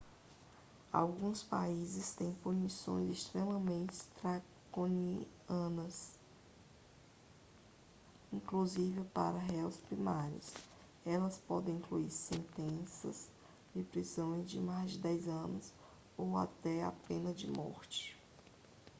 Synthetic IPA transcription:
a̰wɡũspaizɪst̪ẽj̃punisõ̰j̃zist̪ɾemɐmẽnt͡ʃɪ̥t̪ɾa | koniɐnɐs | ĩŋkluzivɪpa̰ɾɐɦɛwspɾimaɾɪ̰s | ɛlɐspɔd̪ẽĩkluiɾsẽnt̪ẽsɐ̰z | d͡ʒɪpɾizõj̃zd͡ʒɪmazd͡ʒɪd̪ɛjzɐ̃nʊs | owa̰t̪ɛa̰pẽnɐd͡ʒɪmɔ̰ɾt͡ʃɪ̥

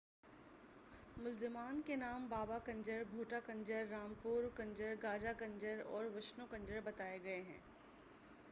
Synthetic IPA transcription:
mʊlzɪmaːnkenaːmbaːbakɐ̃ɲd͡ʒəɾbʱoːʈakɐ̃ɲd͡ʒəɾːaːmpuːɾkɐ̃ɲd͡ʒəɾɡaːd͡ʒakɐ̃ɲd͡ʒəɾɔ̰ːɾʋɪʃnokɐ̃ɲd͡ʒəɾbɐt̪aːeɡɐeɦɛ̰̃ː

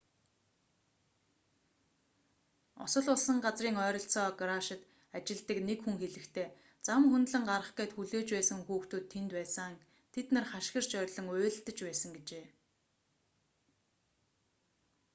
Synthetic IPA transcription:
ɔ̰sɞ̆ɮʊɮsə̆ŋɢat͡sriːŋœːɾʲɞ̆ɬt͡sɔːɡɾaʃɪ̆t̪ | at͡ɕɪ̆ɮt̪ə̆knekxuŋxeɮɘ̆kt̪ʰeː | t͡samxunt̪ɮə̆ŋɢaɾə̆χɡeːt̪xuɮeːt͡ɕpæːsə̆ŋxuːxt̪uːt̪ʰːent̪pæːsə̆ŋaŋ | t̪ʰet̪nə̆rχaʃxə̆r̥t͡ɕœːɾʲɮɞ̆ŋʊːɮɬt̪ə̆t͡ɕpæːsə̆ŋɡet͡ɕeː

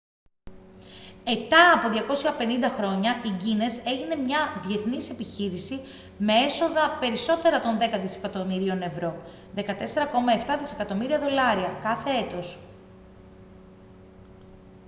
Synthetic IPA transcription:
e̞t̪ɐːpo̞ðʝɐko̞sɐpe̞nind̪ɐxɾo̞ɲɐʔiɟine̞se̞ʝine̞mɲɐðie̞θnise̞piçiɾisi | me̞e̞so̞ðɐpe̞ɾiso̞t̪e̞ɾɐt̪o̞nðe̞kɐt̪ise̞̥kɐt̪omiɾio̞ne̞vɾo̞ | ðe̞kɐt̪e̞se̞ɾɐko̞mɐe̞ft̪ɐðise̞kɐt̪o̞miɾiɐðo̞lɐɾiɐkɐθe̞e̞t̪o̞s

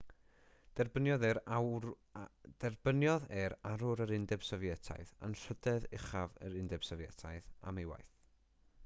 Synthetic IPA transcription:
d̥ɛrbənjɔðɛɾ | dɛrb̥ənjɔðɛɾaɾʊɾəɾɪndɛb̥sɔvjɛtʰa̰jða̰nr̥ədɛðɪχavə̰ɾɪndɛb̥sɔvjɛtʰajða̰mejwa̰jθ

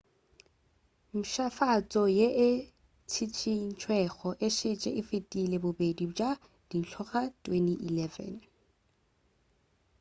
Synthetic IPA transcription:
m̩ʃafat͡sʼɔjeʔɪ | t͡sʰit͡sʰin̩t͡ʃʰwɛχɔʔɪʃet͡ʃʼɛ̰ʔɪfetʼilebʊbedid͡ʒʼa | d̥in̩t͡ɬʰɔχatʼweniʔilɛvɛ̰n

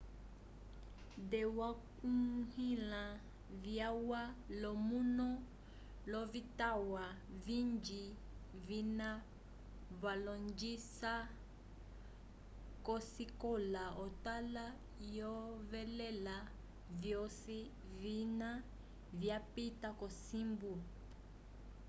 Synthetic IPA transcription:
dɛwakuhila | vjawalɔmunɔ | lɔvitawavind͡ʒi | vina | βalɔnd͡ʒisa | kɔsikɔlaɔtala | jɔvɛlɛla | vjɔsi | vina | vjapitakɔsimbu

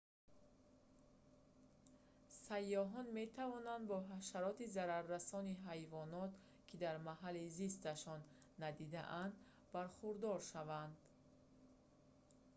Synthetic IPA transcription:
sajːɔɦɔnme̞t̪ʰavɔnand̪bɔɦaʃaɾɔt̪izaɾaɾːasɔniɦajvɔnɔt̪ | kʰid̪aɾmaɦalizist̪aʃɔnː | ad̪id̪a̰ʔand̪ | baɾχuɾd̪ɔɾʃavand̪

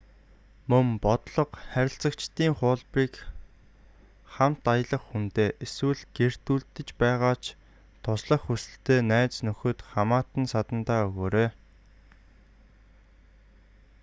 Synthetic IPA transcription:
mɵmpɔt̪ɮɞ̆qχæɾʲɪ̆ɬt͡sə̆kt͡ɕt̪iːŋχʊːɮpiːk | χam̥t̪ajə̆ɮə̆χxunt̪eːʔeswɘ̆ɮɡ̥er̥t̪uːɮt̪ɘ̆t͡ɕpæːʁaːt͡ɕʰ | t̪ʰʊsɮə̆χːusɘ̆ɬt̪eːnæːt͡snɵxɵ̆t̪χamaːt̪ə̆nsat̪ə̆nt̪aːɵɣoːɾeː

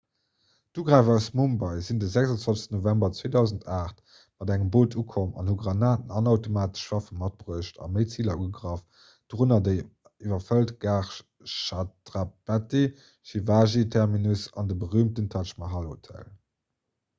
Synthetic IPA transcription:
d̥uːɡʁaɪvɑʊsmumbɑɪzindəzækzɑnt͡swvɑlsə̥stənovæmbɐt͡sweːdɑʊzəntʰaːχt | mɑdæŋəmboːtʰukʰomɑ̰nhuɡʁɑnaːtənɑnɑʊtomaːtə̥ʃv̥ɑfənmɑt̚bʁuəʃtʰɑ̰məɪt͡siːlɐuəɡʁɑf | d̥ʁunɐdə | ivɐfəltɡaːχ | ʃatʁapæti | ʃivaːʒitʰɛʁminusɑ̰ndəbəʁyːmtəntʰɑt͡ʃmɑɦɑlo̰tʰæ̰l

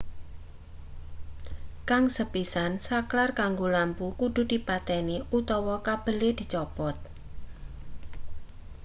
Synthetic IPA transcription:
kaŋsəpisansaklarkaŋɡolampukud̪̥ṳd̪̥i̤pat̪ɛniut̪ɔwɔkab̥ə̤led̪̥i̤t͡ʃɔpɔt̪̚

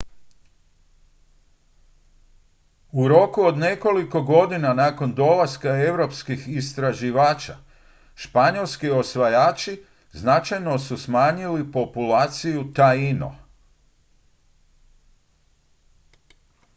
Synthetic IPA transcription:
uɾo̞kuo̞d̪ne̞ko̞liko̞ɡo̞d̪inanako̞nd̪o̞laskae̞wɾo̞pskixist̪ɾaʒiʋaːt͡ʃa̰ | ʃpaɲo̞lˠskio̞sʋajaːt͡ʃi | znat͡ʃajno̞susmaːɲilipo̞pulaːt̪sijut̪aino̰

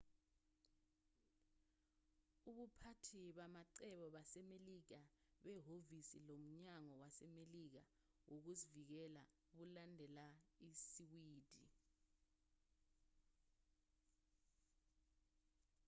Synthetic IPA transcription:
uɓupʰatʰiɓamaǀɛɓɔɓasɛmelik̬aɓɛɦovisḭlom̩ɲaŋɔwasɛmelik̬a | wok̬uzivik̬ɛla | uk̬ulandʱɛlaisiwiːd̥ʱi

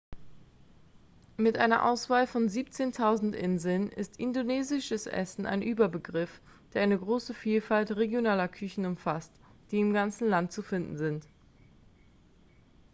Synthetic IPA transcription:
mɪtʔa̰ɪnɐ̰ʔa̰ʊsv̥aːlfɔnziːpt͡seːntʰaʊzn̩tʔɪnzl̩nɪ̰stʔɪndoneːzɪʃəsʔɛ̰sn̩ʔa̰ɪnʔyːbɐbəɡʁɪf | d̥eːɐʔaɪnəɡʁoːsəfiːlfaltʁeɡjonaːlɐkʰʏçn̩ʊmfastd̥iːɪmɡant͡sn̩lantt͡sufɪndn̩zɪnt

